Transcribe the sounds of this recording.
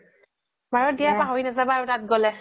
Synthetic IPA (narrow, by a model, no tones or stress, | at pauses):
baɹɔdijapaɦɔɹinazabaːɹʊtat̚ɡɔlɛ